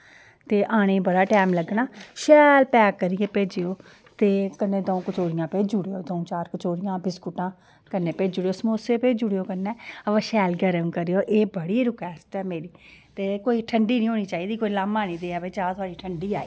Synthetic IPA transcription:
t̪eːʔaːɽ̃eːbəɽaːʈɛːmləɡnaːʃɛːlpɛːkəɾijeːpeːd͡ʒeoː | t̪eːkənːeːd̪oːõkət͡ʃoːɾɪjãːpeːd͡ʒuɽejoːd̪õːt͡ʃaːɾkət͡ʃoːɾɪjãːbɪskuʈãː | kənːeːpeːd͡ʒʊɽejoːsmoːseːpeːd͡ʒʊɽejoːkənːɛːəʋəːʃɛːlɡəɾəmkəɾejoːʔeːbəɽiːɾʊkɛːst̪ɛːmeːɾiːt̪eːkoːiːʈʰəɳɖiːnĩːɦoːñiːt͡ʃaːiːd̪iːkoːiːlaːmaːnĩːd̪eːɛːʋeːt͡ʃaːɾt̪ʰʊaːɽiːʈʰəɳɖiːaːḭː

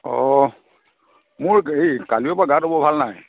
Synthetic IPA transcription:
ɔ | mʊɹejkaliɛpaɡatɦobɔbʱalnaj

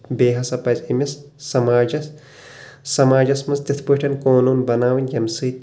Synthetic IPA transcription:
beːɦɐsɐpɐzemʲesː | ɐmaːd͡ʒɐs | sɐmaːd͡ʒɐsmɐnst̪it̪ʰpɨʈʰɐnkoːnuːnbɐnaːʋinʲjɐmsɨt̪

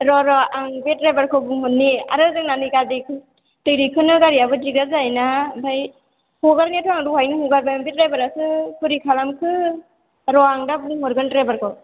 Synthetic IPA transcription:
ɾɔɾɔaŋbet̚ɾebaɾkʰɔbuŋhɔnːia̰ɾɯzɯŋnanɯkadikʰɯ | tɯɾikʰɯnɯɡaɾiabɯdiɡazajnabaj | huɡaɾnetʰɔaŋɾuhajnɯhuɡaɾbajaŋbet̚ɾajbaɾasɯkʰɯɾikʰalamkʰɯ | ɾɔaŋdabuŋhɔɾɡɯntɾebaɾkʰɯ

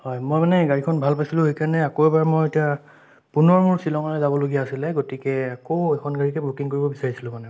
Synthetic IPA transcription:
hɔjmojmanɛɡaɹikʰɔnbʱalpajsilʊ̃hejkaɹnɛakoɛbaɹmɔjetia | punɔɹmuɹsilɔŋɔlɛzabɔloɡijaːsilɛɡotikɛakoɛkʰɔnɡaɹikɛbɹukiŋkoɹibɔbisaɹisilʊ̃manɛ

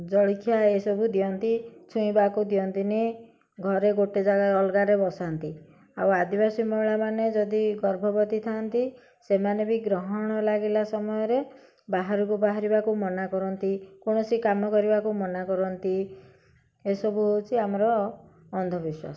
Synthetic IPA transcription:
d͡ʒɔɭikʰjaesɔbud̪iɔnt̪it͡ʃʰuĩbakud̪iɔnt̪ine | ɡʱɔɾeɡoʈed͡ʒaɡaɔlɡaɾebɔsant̪i | awad̪ibasimɔɭamaned͡ʒɔd̪iɡɔɾbʱɔbɔt̪it̪ʰant̪i | semanebiɡɾɔɦɔɽ̃ɔlaɡelasɔmɔjɔɾe | baɦaɾɔkubaɦaɾibakumɔnakɔɾɔnt̪ikuɽ̃ɔsikamɔkɔɾibakumɔnakɔɾɔnt̪i | esɔbʱuɦowt͡ʃʰiamɔɾɔː | nd̪ʱɔbiswa̰sɔ̥

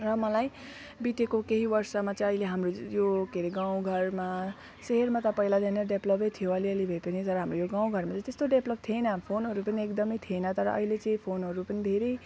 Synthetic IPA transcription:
rʌmʌlaj | bit̪ekokeɦibʌrsamat͡sʌĩʌileɦamrojokeɾeɡaw̃ɡʱʌrma | seɦermat̪ʌpʌilad̪enʌɖeblʌbʌjt̪ʰijoʌliʌlibʱʌepʌnit̪ʌɾʌɦamrojoɡaw̃ɡʱʌrmat͡sʌĩt̪est̪oɖeblʌb̚t̪ʰienʌpʰonɦʌɾupʌniekd̪ʌmʌjt̪ʰienʌt̪ʌɾʌ̰ʔʌ̰ilet͡sʌĩpʰonɦʌɾupʌnid̪ʱeɾʌj

